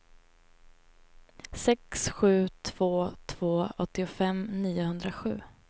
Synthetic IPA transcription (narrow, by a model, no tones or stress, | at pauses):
sɛksɧʉ̟ːt̪ʰv̥oːt̪ʰv̥oːɔt̪ːɪʊfɛmniːʊhɵnd̪ɾaɧʉ̟ː